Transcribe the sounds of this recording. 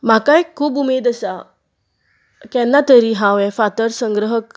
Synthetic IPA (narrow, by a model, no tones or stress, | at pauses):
m̤akajkʰuːbumed̪əsa | kɛ̃nːat̪əɾiːɦãwɛ̃fat̪əɾsə̃ŋɡɾəɦək